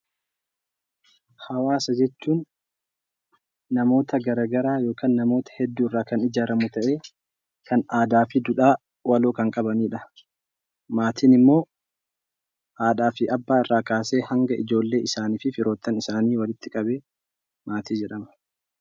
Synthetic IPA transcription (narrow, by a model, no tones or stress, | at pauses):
hɐwaːsɐd͡ʒɛt͡ʃːuːn | ɐmo̞ːt̪ɐɡɐɾaːɡɐɾaːjo̞ːkaːnːɐmo̞ːt̪ɐ̥hɛd̪ːuːɪrːaːkɐnɪd͡ʒaːɾɐmʊt̪ɐʔe̞ː | kɐnaːd̪aːfɪd̪ʊᶑaː | wɐloːkɐŋkʼɐbɐniːᶑɐ | maːt̪ʰiːnɪmːo̞ː | ʔaːᶑ̪aːfɪʔɐbːaːɪrːaːkaːse̞ːhɐŋɡɐʔɪd͡ʒo̞ːlːe̞ːʔɪsaːniːfɪfɪɾo̞ːt̪ːɐnɪsaːniːwɐlɪt̪ːɪkʼɐbeː | maːt̪iːd͡ʒɛᶑɐmɐ